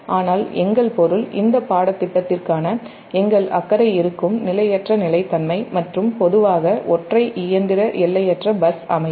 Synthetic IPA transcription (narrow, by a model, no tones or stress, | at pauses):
ʔaːnaːlɛŋɡɐɭpɔɾɯlɪ̰nd̪ɐpaːɽɐt̪ːɪʈːɐt̪ːɪrkaːnɐ | ɛŋɡɐɭɐ̰kːɐɾɐɪɪɾɯkːɯmnɪlɐjɛʈrɐnɪlɐɪt̪ːɐnmɐɪmɐʈrɯmpɔðɯʋaːɣɐʔɔʈrɐɪʔɪjɐnd̪ɪɾɐʔɛlːɐjɛʈrɐbɐsɐmɐɪ